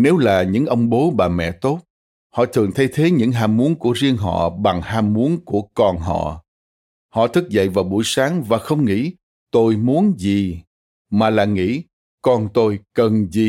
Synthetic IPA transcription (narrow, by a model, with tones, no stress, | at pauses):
ne˨˦wlaː˨˩ɲɨ̰˧˥ŋʔə˧wŋ͡mɓo˨˦ɓaː˨˩mɛ̰˧˨t̪o˦˥t̚ | hɔ̰˧˨t̪ʰɨ˨˩əŋt̪ʰa˨˦jt̪ʰe˨˦ɲɨ̰˧˥ŋɦaː˧mːu˨˦ənku˧˩əzi˧əŋɦɔ̰˧˨ɓa˨˩ŋhaː˧mːu˨˦ənku˧˩əkɔ˧nɦɔ̰˧˨ | hɔ̰˧˨t̪ʰɨ˦˥k̚zə̰˧˨jvaː˨˩wɓṵ˧˩jsaː˨˦ŋvaː˨˩xə˧wŋ͡mŋḭ˧˥ | t̪o˧jmu˨˦ənzi˨˩ | maː˨˩laː˨˩ŋḭ˧˥ | kɔ˧nt̪o˧jkə˨˩nzi˨˩